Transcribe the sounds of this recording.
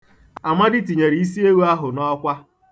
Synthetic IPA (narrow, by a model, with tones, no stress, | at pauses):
a˨mʷa˦dɪ˦ti˨ɲe˨ɾi˨i˦s̬i˦e˦wu˦a˦ɦʊ˨nɔ˦kʷa˦